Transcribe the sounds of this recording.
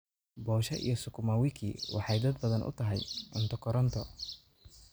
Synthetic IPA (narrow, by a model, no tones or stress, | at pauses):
bɔːʃɐʔḭjɞsʊkʰʊmawɪkʰḭːwɑ̰ħɑjd̪ɐd̪̚bɐðɐnʔʊ̰t̪ʰɐɦɛjʔʊ̰nt̪ʰɐkʰɔɾɔnt̪ʰɔ